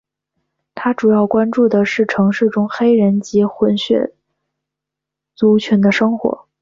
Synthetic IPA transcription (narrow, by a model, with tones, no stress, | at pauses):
t̪ʰa˥ʈ͡ʂu˨˩jɑ˥˩ʊkwa˥nʈ͡ʂu˥˩d̪ə˩ʂɻ̩˥˩ʈ͡ʂʰɤ˧˥ŋʂɻ̩˥˩ʈ͡ʂʊ˥ŋxe˥ɪɻə˧˥nt͡ɕi˧˥xwə˧˥nɕɥɛ̰˥˩ | t͡su˧˥t͡ɕʰy˧˥nd̪ə˧ʂɤ˥ŋxwɔ̰˧˥